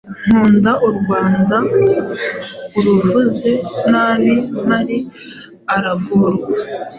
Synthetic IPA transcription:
n̥huːndauɾɡwaːnda | uɾuvuze̞naːninaɾi | aɾaɡuɾɡa

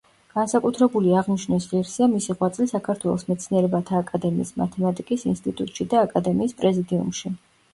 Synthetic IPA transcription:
ɡ̥ansakʼut̪ʰɾɛbuliaʁniʃnɛs̬ʁiɾsiamisiʁwat̪sʼlisakʰaɾt̪ʰwɛlˠɔ̰smɛt̪sʰniɛɾɛbat̪ʰaːkʼad̪ɛmiːsma̰t̪ʰɛmat̪ʼikʼisinst̪ʼit̪ʼut̪ʼʃid̪aːkʼad̪ɛmiːspʼɾɛzid̪iṵmʃi

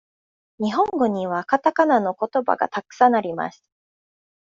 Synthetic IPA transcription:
ɲ̟iɦõ̞ŋɡo̞ɲ̟iβ̞akat̪akanano̞ko̞t̪o̞ba̰ɡa̰t̪akɯ̥sãnːaɾʲima̰si̥

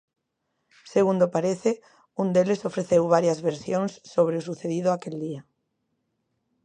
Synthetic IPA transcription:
seɣund̪opaɾeθɪ | und̪elesofɾeθewβ̞aɾjɐzβeɾsjoŋsːoβɾeosuθeðiðoakeld̪ia

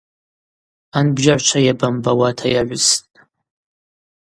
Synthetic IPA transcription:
anbʒaʕʷt͡ʃʷʰajabambawatʰajaʕʷʊstʼ

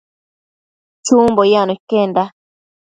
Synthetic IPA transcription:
t͡ʃumbojanokenda

